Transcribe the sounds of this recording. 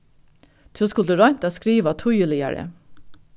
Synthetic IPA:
t̪ʰːskʊld̪əɾɑɪt̪ɑskɾiːʋɑt̪ʰuːjʉːlɪjæ̰ːɹə̰

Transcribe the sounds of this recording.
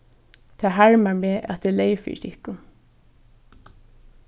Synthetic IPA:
t̪ʰɑːɦæɹmameːʔa̰t̪̚d̪ɛːleɪfḭt̪ʰɪhkʊ

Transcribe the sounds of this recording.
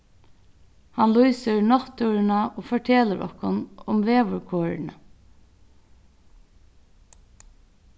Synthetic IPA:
hɑnlujsəɹnɔt̪ʉɹənɑʔoːfɔʈʰeːləɾʔɔ̰hkʊnʊmʋeːʋʊɹkʰoːɹɪ̰nə

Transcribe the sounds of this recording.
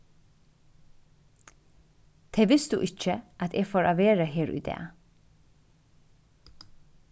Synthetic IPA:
t̪ʰɛːʋɪsd̪ʉ̰ːʔɪt͡ʃːəʔat̪ʰɛːɡfoːɾʔaːʋeːɾəɦeːɾy̰ːd̪ɛ̰ː

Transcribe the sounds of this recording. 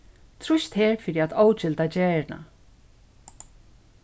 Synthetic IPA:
t̪ʰɾʊʃt̪hɛːɹfɪːɾiat̪oːwt͡ɕɪlt̪ad͡ʑɛːɹna̰

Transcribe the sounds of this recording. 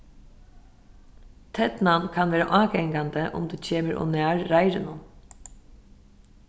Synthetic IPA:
t̪ʰɛt̪nankʰanʋeːɾaʔɑːɡɛŋkand̪əʔʊ̰md̪uːt͡ɕʰeːməɾɔ̰næːɹɾajɾɪnʊn

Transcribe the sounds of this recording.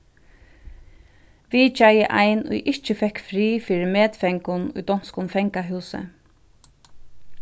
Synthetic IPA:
ʋit͡ʃajəʔa̰jnṵjʔɪht͡ʃɪfɛhkfɾiːfiːɾɪmɛːt̪fɛŋkʊnʊ̰jd̪ɔn̥skʊnfɛŋkaɦʉːsɪ̰

